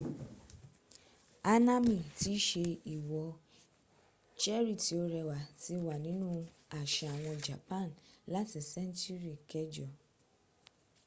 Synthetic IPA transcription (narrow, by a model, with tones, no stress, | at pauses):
a˧nã˦mĩ˨ti˨˦ʃe˧i˨wɔ˨˧ | t͡ʃɛ˦ɾi˦˨ti˨˦o˧ɾɛ˧wa˨ti˧˦wa˨nĩ˨˦nũ˦ | a˨ʃɛ˧˨a˨w̃ɔ̃˧d͡ʒa˨pã˦˨nla˨˦ti˨sɛ̃˦n˦tu˦ɾi˨kɛ˦d͡ʒɔ˨